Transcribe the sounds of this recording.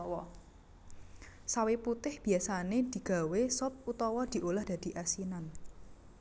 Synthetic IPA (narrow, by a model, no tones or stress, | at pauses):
wɔ | saweput̪ɪhb̥i̤asaned̪̥i̤ɡ̥a̤wesɔp̚ut̪ɔwɔd̪̥i̤ʔolahd̥̪a̤d̪̥i̤ʔasinan